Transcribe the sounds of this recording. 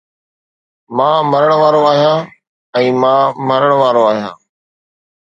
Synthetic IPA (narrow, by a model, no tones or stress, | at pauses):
mãːməɾəɳ̃ʋaːɾoaːɦijãː | ɛ̃ːmãːməɾəɳ̃ʋaːɾoːaːɦijã̰ː